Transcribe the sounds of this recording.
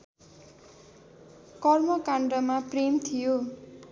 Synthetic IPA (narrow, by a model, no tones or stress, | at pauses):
kʌrmʌkaɳɖʌmapremt̪ʰijo